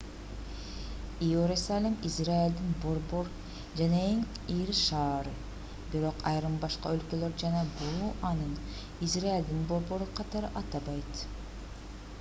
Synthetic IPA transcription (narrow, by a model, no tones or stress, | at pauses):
iøɾesalʲemizrailʲd̪inbo̞ɾbo̞ɾ | d͡ʒaneeŋ | iɾiʃɑːɾɯ | biɾo̞qɑjɾɯmbɑʃqɑ̰ølkøløɾd͡ʒɑnɑbuɑnɯn | izraild̪inbo̞ɾbo̞ɾuqʰɑt̪ɑɾɯʔɑt̪ɑbɑjt̪